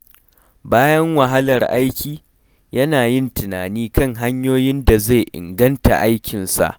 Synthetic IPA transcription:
baː˦jɐ˦ŋwa˨ɦa˦lɐ˨rʔa˦jkʲiː˨ | jɐ˦naː˨jɪ˦˨ntɪ˨naː˨niː˦kɐ˦ŋɦa˦ɲjoː˦jɪ˦nda˨ze˦˨jʔɪ̰˨ŋɡɐ˦nta̰˨ʔa˦jkʲɪ˨nsa̰˨ʔ

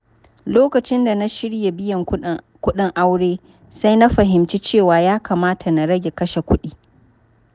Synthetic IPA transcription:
loː˦kɐ˨t͡ʃɪ˦nda˨na˦ʃɪ˦ɽje˨bɪ˦jɐ˨ŋ | kʷʊ˦ɗɪ˦ŋʔa˦wɽeː˦ | sa˦jna˦ɸɐ˨ɦɪ˨mt͡ʃi˦t͡ʃeː˦˨waː˨jaː˦kʰa˨maː˦tʰa˨na˨ɽɐ˦ɡʲe˨kɐ˦ʃe˨kʷʊ˦ɗiː˦

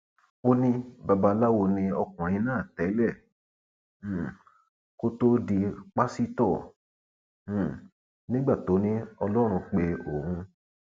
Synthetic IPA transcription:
o˧nĩ˧ba˧ba˧la˦wo˧nĩ˧ɔ˧kũ˨a˨jĩ˧˦nãː˦˨tɛ˨˦lɛ˦˨˦ | ko˦to˦di˧k͡pa˦si˦tɔ˦˨˦ | nĩ˦ɡ͡ba˦˨to˨˦nĩ˦ɔ˧lɔ˦ɾ̃ũ˧k͡pe˧o˨ũ˧

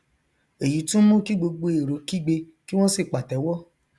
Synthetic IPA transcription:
e˨ju˨˦tũ˦mũ˦ki˦ɡ͡bo˧ɡ͡bo˧e˨ɾo˨˦ki˦˨ɡ͡be˧ | ki˦w̃ɔ̃˦si˦˨k͡pa˨tɛ˨˦wɔ˦

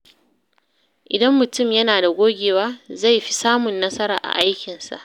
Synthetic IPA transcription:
ʔɪ˨dɐ˦mːʊ˨tʊ˦˨mjɐ˦naː˨da˨ɡʷoː˦ɡʲeː˨waː˦za˦˨jɸi˦saː˦mʊ˨nːɐ˦sɐ˦ɾa̰ː˨ʔa̰˨ʔa˦jkʲɪ˨nsa̰˨ʔ

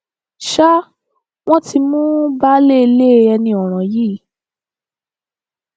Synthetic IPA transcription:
ʃa˦ | w̃ɔ̃˦ti˧mũ˦ba˦le˦˧le˦˧ɛ˧nĩ˧ɔ˨ɾ̃ã˨ji˦˨

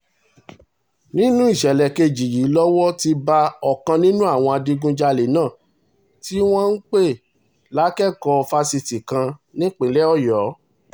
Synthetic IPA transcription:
nĩ˦nũ˦i˦˨ʃɛ˨lɛ˨ke˧d͡ʒi˨jiː˨˦lɔ˦wɔ˦ti˧ba˧ɔ˦˨kã˧nĩ˦nũ˦a˦˨w̃ɔ̃˧a˧dĩ˧ɡũ˧d͡ʒa˧le˨nãː˦˨ | ti˦w̃ɔ̃˦n̩˦k͡pe˦˨ | la˨˦kɛ˦kɔ˧fa˧si˧ti˨kã˧nĩ˦k͡pĩ˨˦lɛ˦ɔ˦˨jɔ˨˦

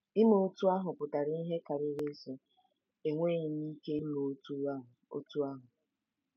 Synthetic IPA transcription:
ɪ˦mo˨o˦tu˦a˦ɦʊ˨pʊ˨ta˨ɾi˦ɦe˦ka˨ɾɪ˦ɾe˦so˨ | e˨ŋʷe˦ɲɪ˨ni˦ke˦i˦mo˨˦tu˦˨o̰˦tu˦a˦ɦʊ˨

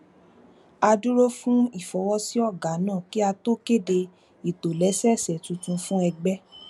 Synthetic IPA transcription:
a˧du˦ɾo˦fũ˦i˦˨fɔ˧˦wɔ˦si˦ɔ˦˨ɡa˨˦nãː˦˨ki˦a˧to˦ke˦˨de˧ | i˨to˨lɛ˨˦sɛ˦˨sɛ˨tũ˧tũ˧fũ˦ɛ˧ɡ͡bɛ˦

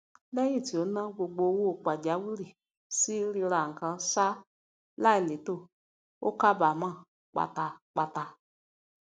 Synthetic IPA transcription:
lɛ˦ĩ˦˨ti˨o˨˦nã˦ɡ͡bo˧ɡ͡bo˧˦wo˦˨k͡pa˨d͡ʒa˨˦wi˦ɾi˨ | si˦ɾi˧ɾa˨ŋ̩˨kã˧sa˦ | la˦i˨le˨˦to˦˨ | o̰˦ka˦ba˨mã˦˨ | k͡pa̰˨ta˨k͡pa˨ta˧

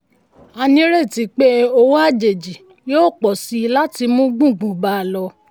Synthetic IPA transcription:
a˧nĩ˦ɾe˦˨ti˨˦k͡pe˦o˧wa˦˨d͡ʒe˨d͡ʒi˨ | jo˦˨k͡pɔ˨si˨˧la˦ti˧mũ˦ɡ͡bũ˦˨ɡ͡bũ˨ba˧˨lɔ˧

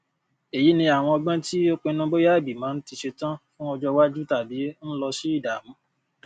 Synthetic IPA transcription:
e˨ji˨˦nĩ˧a˨w̃ɔ̃˧ɔ˧ɡ͡bã˦ti˦o˦k͡pẽ˧nũ˦bo˦ja˦˨bi˨mãː˨˦n̩˦ti˧ʃe˧tã˦fũ˦ɔ˧d͡ʒɔ˦wa˦d͡ʒu˦ta˦˨bi˨˦n̩˦lɔ˧ʃi˦i˦˨da˨mũ˨˦

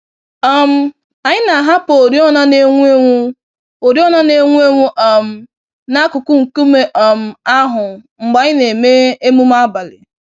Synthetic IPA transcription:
ɔ˦m̩˦ | a˨ɲɪ˦na˨ɦa˦po˨ɾi˦ɔ˦na˦ne˦ŋʷ˦e˦ŋʷu˦ | o˨ɾi˦ɔ˦na˦ne˨˦ŋʷu˦e˦ŋʷu˦ʔɔ˨m̩˦ | na˦kʊ˨kʊ˦ŋ̩˨ku˦me˨ʔɔ˨m̩˨a˦ɦʊ˨ŋ͡m̩˨ɡ͡ba˨ɲɪ˦ne˨me˦e˦mu˦m˦a˦ba˨lɪ̰˨

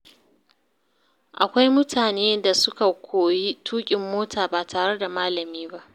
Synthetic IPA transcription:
ʔa˨kʷa˦jmʊ˦tʰaː˨neː˦da˨sʊ˦ka˨kʷʰoː˨ji˦tʰuː˦kʲʼɪ˨mːoː˦tʰaː˨baː˨tʰaː˨ɽe˦da˨maː˦lɐ˨miː˦ba˦ʔ

